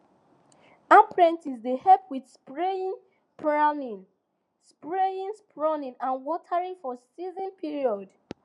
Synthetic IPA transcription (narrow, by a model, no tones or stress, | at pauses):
apɹɛ̃ntizdehɛpʰwidspɹeĩn | pʰɹanĩn | spɹejĩnspɹɔnĩnãnwɔtʰaɹĩfɔsizɔ̃npʰiɹiɔd